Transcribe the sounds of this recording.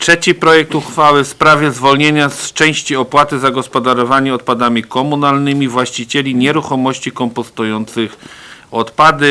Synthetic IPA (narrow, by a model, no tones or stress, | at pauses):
tʂɛt͡ɕipɾɔjɛk̚t̪uxfawɘfspɾavʲjɛzvɔlɲeɲast͡ʂɛ̃w̃ɕt͡ɕiɔpwat̪ɘzaɡɔspɔd̪aɾɔvaɲiɔt̪̚pad̪amʲikɔmunalnɘmʲivwaɕt͡ɕit͡ɕɛlʲiɲɛɾuxɔmɔɕt͡ɕikɔmpɔst̪ujɔnt̪sɘxɔt̪pad̪ɘ